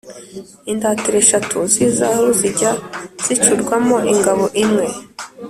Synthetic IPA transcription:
indaːtiɾe̞ʃatunzizahuziɟaz̥it͡ʃuɾɡwamoʔiŋɡaβoʔimŋe̞

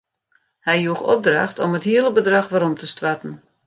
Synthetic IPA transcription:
hɛjjuəxɔ̰p̚dra̰xtoməthiəlˠəbədraxʋaɾɔmtəstʋatn̩

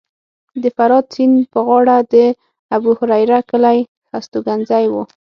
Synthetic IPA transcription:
d̪əfaɾɑd̪̚t͡sinpəɣɑɽad̪ə | abuhʊɾajɾakəlaj | xast̪oɡanzajwu

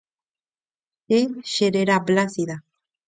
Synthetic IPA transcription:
eʃeɾeɾablasiða

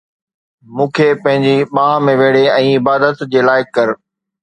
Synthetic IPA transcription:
mũːkʰepɐ̃ɦɪ̃ɲd͡ʑiɓãːɦmẽʋeːɽeɛ̃ːɪbaːd̪ət̪d͡ʑeːlaːɪkːɐɾ

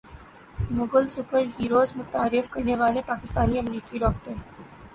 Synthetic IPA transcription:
mʊɡəlsʊpəɾɦiːɾoːzmʊt̪aːɾɪfkɐɾneʋaːlepaːkɪst̪aːniɐmɾiːkiɾɔːk̚ʈəɾ

